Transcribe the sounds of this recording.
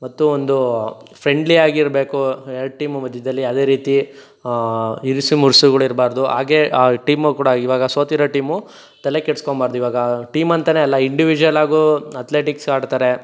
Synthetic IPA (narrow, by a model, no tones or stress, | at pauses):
mɐt̪ːuond̪upɾe̞ɳɖliaːɡiiɾbe̞ːkuelʈiːmmɐd̪ʱjɐd̪ɐlːiɐːd̪e̞ːɾiːt̪i | iɾisimuɾsuɡɐɭuiɾbaːɾd̪uɦaːɡe̞ːʈiːmukuːɽɐiʋaːɡɐsoːt̪iɾɐʈiːmu | t̪ɐle̞keɽskoɳbaːɾd̪uiʋaːɡɐʈiːmɐnt̪ɐne̞ːɐlːɐiɳɖiʋid͡ʒuʋɐlaːɡuɐt̪le̞ːʈikskaːɖt̪aːɾe̞